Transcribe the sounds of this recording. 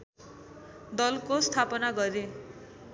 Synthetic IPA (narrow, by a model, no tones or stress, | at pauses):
d̪ʌlkost̪ʰapʌnaɡʌɾe